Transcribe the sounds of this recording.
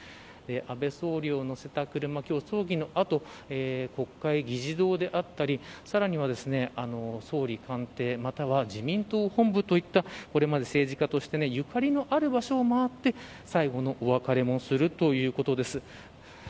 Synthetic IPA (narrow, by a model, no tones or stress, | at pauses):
d̪e̞ʔabe̞so̞ːɾʲjono̞se̞t̪akɯ̟ɾɯ̟makʲo̞ːso̞ːɡʲino̞ʔat̪o̞ | eːko̞kːaiɡʲiʑid̪o̞ːd̪e̞ʔat̪ːaɾʲisaɾaɲ̟iβ̞ad̪e̞sɨne̞ano̞so̞ːɾʲikãnt̪e̞ːmat̪aβ̞aʑimʲĩnt̪o̞ːhõ̞mbɯ̟t̪o̞it̪ːako̞ɾe̞mad̪e̞se̞ːʑikat̪o̞ɕi̥t̪e̞ne̞jɯ̟kaɾʲino̞ʔaɾɯ̟baɕo̞ːmaβat̪ːe̞ | saiɡo̞no̞ʔoβakaɾe̞mo̞sɨɾɯ̟t̪o̞jɯ̟ːko̞t̪o̞d̪e̞sɨ